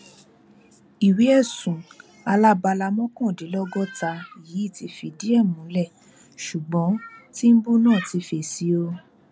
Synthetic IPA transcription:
i˨wi˨˦ɛ˦˨sũ˨ | a˧la˦ba˧la˧mɔ̃˦kɔ̃˦˨de˨˦lɔ˦ɡɔ˦ta˧i˨jiː˨˦i˦˨ti˧˦fi˧di˦ɛ˦˨mũ˨˦lɛ˦˨ | ʃu˨ɡ͡bɔ̃˨˦ti˦m̩˦bu˦nãː˦˨ti˧˦fe˧˨si˧˦o˧

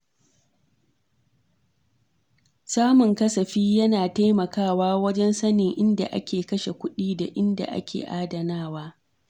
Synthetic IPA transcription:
saː˦mʊ˨ŋkɐ˦sɐ˨ɸiː˦jɐ˦naː˨ta˦jmɐ˨kaː˦˨waː˦wɐ˦d͡ʒɛ˦nsɐ˦nɪ˨ŋʔɪ˦nda̰˨ʔa̰˦kʲeː˨kɐ˦ʃe˨kʷʊ˦ɗiː˦da̰˨ʔɪ˦nda̰˨ʔa̰˦kʲḛː˨ʔaː˦dɐ˨naː˦˨waː˦

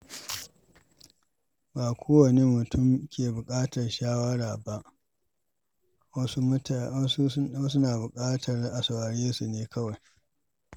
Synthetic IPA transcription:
baː˨kʷʰoː˦wɐ˨neː˦mʊ˨tʰʊ˦˨mkʲeː˨bʊ˨kʼaː˦tɐ˨rʃaː˦wɐ˦ɽaː˨ba˦ʔ | wɐ˦su˦ | u˦wɐ˦s̬u˦naː˨bʊ˨kʼaː˦tʰɐ˨rʔa˨sa˨waː˨ɽeː˦su˨neː˦kʰɐ˦wa˨j

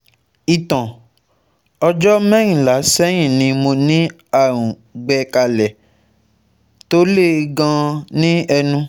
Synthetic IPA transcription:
i˨tã˨ | ɔ˧d͡ʒɔ˦mɛ̃˦j̃ĩ˦˨la˨˦sɛ˦j̃ĩ˦˨nĩ˧mo˧nĩ˦ | a˦˨ɾ̃ũ˨ | ɡ͡bɛ˧ka˧lɛ˨ | to˦le˦˨˧ɡã˧nĩ˦ɛ˧nũ˧

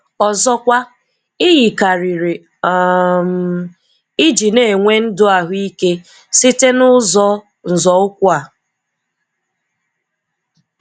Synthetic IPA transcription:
ɔ˨zɔ˦kʷa˦ | ɪ˦ɣi˨ka˨ɾi˨ɾe˨ | m | i˦d͡ʒi˨ne˦˨e˨ŋʷe˦n̩˦dʊ˦a˨ɦʊ˦i˦ke˦ | si˦te˦nʊ˦zɔ˦ | n̩˨zɔ˨ʊ˦kʷʊ˦a˨

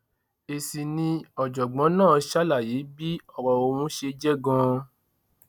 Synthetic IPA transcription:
e˨si˨nĩ˧ɔ˨d͡ʒɔ˨ɡ͡bɔ̃˨˦nãː˦˨˧ʃa˦la˦˨je˨˦bi˦ɔ˦˨ɾɔ˨o˧wũ˧˦ʃe˧d͡ʒɛ˦ɡã˧

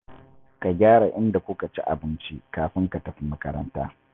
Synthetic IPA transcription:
ka˨ɡʲaː˦ɽa˨ʔɪ˦nda˨kʷʊ˦ka˨t͡ʃḭ˦ʔa̰˨bɪ˦nt͡ʃi˦kaː˨ɸɪ˦ŋka˨tɐ˨ɸi˦mɐ˦kɐ˦ɾɐ̰˦nta̰ː˦

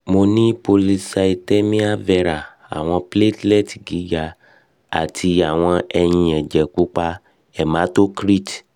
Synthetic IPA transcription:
mo˧nĩ˦po˧li˧sa˧i˧tɛ˦mĩ˦a˦vɛ˧ɾa˨ | a̰˨w̃ɔ̃˧ple˦tlɛ˦˨ti˨ɡi˨˦ɡa˧˨ | a̰˨tʰi˧a˨w̃ɔ̃˧ɛ˧ɲ̃ĩ˨ɛ˨d͡ʒɛ˨ku˦k͡pa˧ | ɛ˨mã˨˦to˦kɾi˦˨t

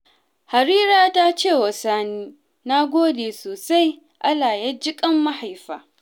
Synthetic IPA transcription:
ha˨ɾiː˦ɾaː˦ta˦t͡ʃeː˦˨wɐ˨saː˦niː˦ | na˦ɡʷoː˦deː˨soː˨sa˦j | ʔa˦laː˨ja˦d͡ʒɪ˦kʼɐ˦mːa˦ha˨jɸaː˨˦

